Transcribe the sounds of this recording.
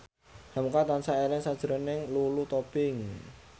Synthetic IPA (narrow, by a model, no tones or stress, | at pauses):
hamkat̪ansaelɛŋsad̥ʒ̥ɾɔnɪŋlulut̪opɪŋ